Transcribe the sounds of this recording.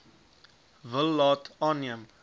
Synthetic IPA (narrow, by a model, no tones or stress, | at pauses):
vəlːɑːtɑːnːiəm